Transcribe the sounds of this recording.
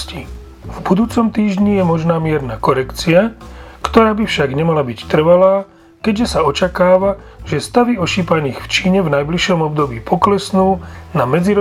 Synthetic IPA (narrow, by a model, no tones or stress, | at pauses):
ci | vbud̪uːt͡sɔmt̪iːʒɲijɛmɔʒnaːmɪɛɾnaːkɔɾɛkt͡siakt̪ɔɾaːbifʃaɡɲɛmalabict̪r̩ʋalaː | kɛɟʒɛsaɔt͡ʃakaːʋa | ʒɛst̪aʋiɔʃiːpaniːxft͡ʃiːɲɛvnajbliʃɔmɔbd̪ɔbiːpʰɔklɛsnuːnamɛd͡ziɾɔ